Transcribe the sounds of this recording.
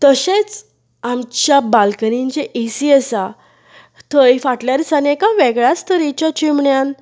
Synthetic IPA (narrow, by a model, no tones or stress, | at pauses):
t̪əɕet͡s | amt͡ɕjabalkənint͡ɕeʔisiəsa | t̪ʰəjfaʈljaɾisanekãʋeɡɭjast̪əɾit͡ɕat͡ɕimɳjan